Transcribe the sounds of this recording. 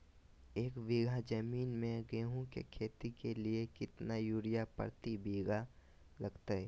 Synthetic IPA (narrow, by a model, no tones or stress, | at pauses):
eːkbiɡʱad͡ʒəmiːnmẽɡeːɦõkḛkʰeːt̪ikeliekɪt̪najuːɾijapə̰ɾt̪ibiːɡa | lɐɡt̪aɛ